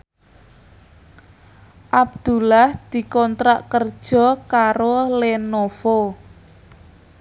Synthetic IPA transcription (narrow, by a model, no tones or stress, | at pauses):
ʔab̚d̪̥ulahd̪̥i̤kɔnt̪ɾaʔkərd̥ʒ̥ɔ̤kaɾolenofo